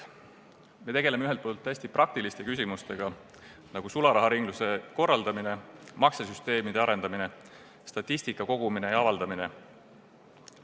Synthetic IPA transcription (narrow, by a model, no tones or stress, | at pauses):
me̞t̪e̞ɡe̞le̞meyɦe̞lt̪̚poːlt̪ːæsʲt̪iprɑk̚t̪ilist̪e̞kysimust̪e̞ɡ̥ɑ | nɑɡ̥usulɑɾɑɦɑɾiŋɡ̥luse̞ko̞rːɑld̪ɑmine̞mɑkses̬yst̪e̞ːmid̪̥e̞ɑɾe̞nd̪ɑmine̞ | st̪ɑt̪ʲːˑisʲt̪ikːˑɑko̞ɡ̥uminejɑɑvɑld̪ɑmine̞